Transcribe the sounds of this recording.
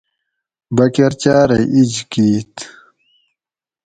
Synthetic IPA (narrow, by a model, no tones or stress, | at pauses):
bɐkeɾt͡ɕaːɾɐʔid͡ʑkiːt̪